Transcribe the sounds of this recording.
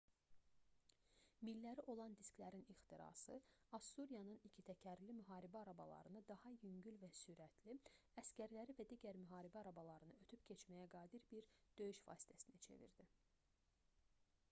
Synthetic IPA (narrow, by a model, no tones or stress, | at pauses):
milːæɾiʔo̞lˠɑnd̪isklæɾinixt̪ʰiɾɑ̰sɯɑst̪uɾijɑnɯnicʰit̪ʰæcʰæɾlimyɦɑːɾibæɑɾɑbɑ̰lˠɑ̰ɾɯnɯd̪ɑhɑjyɲɟylvæsyɾæt̪ʰli | æscʲæɾlæɾivæd̪iːɟæɾmyɦɑːɾibæɑɾɑbɑlˠɑɾɯnɯø̞t̪ʰypcʰe̞t͡ʃmæjæɡɑːd̪iɾbiɾd̪̥ø̞jyʃfɑ̰ːsi̥t̪ʰæsinæt͡ʃʰe̞̰vḭɾd̪i